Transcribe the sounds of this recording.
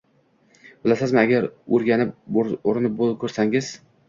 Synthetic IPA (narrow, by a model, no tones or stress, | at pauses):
bɪlasɪzmɪaɡʲaɾɵɾɡʲanɪp̚oɾɪnɪp̚bolˠkʰɵɾsaŋɪz